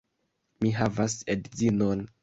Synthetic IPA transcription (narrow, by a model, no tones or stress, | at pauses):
miɦavasedizinon